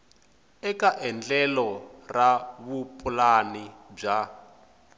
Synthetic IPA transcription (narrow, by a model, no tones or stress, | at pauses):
ɛkaʔɛnd͡ɮɛlɔraβupʼulanib͡ʐa